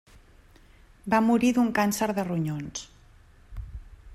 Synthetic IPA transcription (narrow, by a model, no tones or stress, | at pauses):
bamuɾiðuŋkansəɾðəruɲons